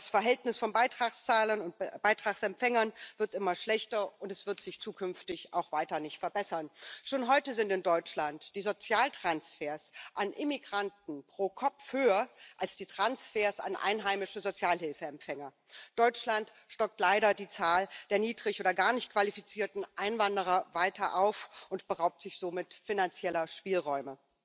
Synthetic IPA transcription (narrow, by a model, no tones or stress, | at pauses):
d̥asfɛɐɦɛltnɪsfɔnbaɪtʁ̥aχst͡saːlənʊntb̥aɪtʁ̥aχsɛmpfɛŋɐnv̥ɪɐtʔɪmɐʃlɛçtɐʔʊntɛsv̥ɪɐtz̥ɪçt͡suːkʰʏnftɪçʔa̰ʊxv̥aɪtɐnɪçtfɛɐbɛsɐnʃoːnɦɔʏtəzɪntɪndɔʏt͡ʃlantd̥iːzot͡sjaːltʁ̥ansfeːɐsʔanʔɪmiɡʁantn̩pʁ̥oːkʰɔpp͡fhøːɐʔalsd̥iːtʁ̥ansfeːɐsa̰nʔa̰ɪnɦaɪmɪʃəzot͡sjaːlɦɪlfəɛmfɛŋɐ | d̥ɔʏt͡ʃlant | ʃtɔk̚tlaɪɾɐdiːt͡saːld̥eːɐniːdʁɪçʔoːdɐɡaːɐnɪçt̚kv̥alifit͡siːɐtn̩ʔaɪnvandəʁ̞ɐvaɪtʰɐʔa̰ʊfʔʊntb̥əʁaʊp̚tz̥ɪçz̥oːmɪtfinant͡sjɛlɐʃpiːlʁɔʏmə